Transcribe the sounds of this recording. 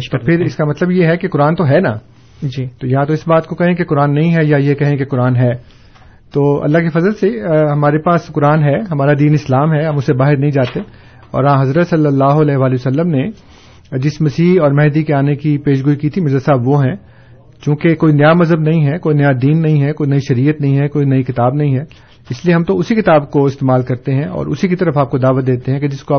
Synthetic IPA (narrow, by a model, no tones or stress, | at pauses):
t̪opʰɪɾɪskamɐt̪ləbjeɦɛkekʊɾaːnt̪oɦɛna̰ | d͡ʒt̪oːjɐɦãt̪oɪsbaːt̪̚kokɐɦẽkekʊɾaːnːɐɦĩɦɛjajekɐɦẽkekʊɾaːnɦɛː | t̪oːɐ̰lːaɦkefɐzəlseɦɐmaːɾepaːskʊɾaːnɦɛɦɐmaːɾad̪iːnɪslaːmɦɛɦɐmʊsebaːɦɪɾnɐɦĩd͡ʒaːt̪e | ɔ̰ːɾãɦɐzɾət̪sɐlːəlːaːɦoɐlɛːɦʋaːliʋɐsɐlːəmne | d͡ʒɪsmɐsiːɦɔːɾmɛɦd̪ikeaːnekipeːʃɡuːikiːt̪ʰimɪzəd̪saːbʋoɦɛ̃ | t͡ʃũːkekoːinɪjamɐzɦəbnɐɦĩɦɛkoːinjad̪iːnːɐɦĩɦɛkoːinɐiʃɐɾiːət̪nɐɦĩɦɛkoːinɐikɪt̪aːbnɐɦĩɦɛ | ɪslieɦɐmt̪oʊsikɪt̪aːbkoɪst̪eːmaːlkɐɾt̪eɦɛ̃ɔ̰ːɾʊ̰sikit̪ɐɾəfaːp̚kod̪aːʋət̪̚d̪eːt̪eɦɛ̃ked͡ʒɪskoaː